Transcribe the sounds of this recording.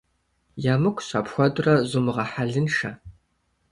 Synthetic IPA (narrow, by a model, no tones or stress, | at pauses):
jaːmɨkʷʰɕa̰ːpxʷɔdʼrɐʑʊmɨʁɐħaɮɨnʂɐ̰